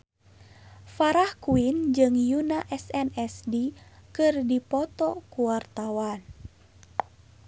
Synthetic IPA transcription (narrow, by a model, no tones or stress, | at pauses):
faɾahkuind͡ʒɨŋjunaʔɛsɛnɛsdikɨrdipɔt̪ɔkuwart̪awan